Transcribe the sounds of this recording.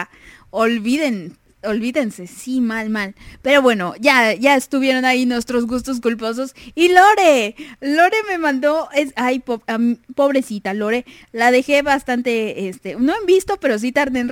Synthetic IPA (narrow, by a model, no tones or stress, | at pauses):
olβiðe̞n | olβiðe̞nse̞simalmalpe̞ɾo̞βwe̞noʝaʝaest̪uβje̞ɾo̞nainwe̞st̪ɾo̞zɣust̪o̞s̬kulp̬o̞s̬o̞silo̞ɾelo̞ɾe̞me̞mãnd̪o̞esajpoamipo̞β̞ɾe̞sit̪alo̞ɾe̞ | lað̞e̞xe̞βast̪ant̪e̞est̪e̞no̞embist̪o̞pe̞ɾo̞s̬it̪aɾðen